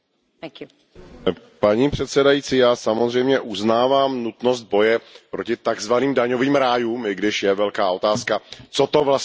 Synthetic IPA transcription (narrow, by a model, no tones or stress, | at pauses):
ku | paɲiːpr̥ɛt̪sɛdajit͡siːjaːsamozr̝ɛjmɲɛʔuznaːvaːmnut̪no̞st̪̚bo̞jɛpɾocɪt̪aɡzvaniːmdaɲo̞viːmɾaːjuːmɪɡdɪʃjɛvɛlkaːʔo̞t̪aːskat͡sot̪ovlas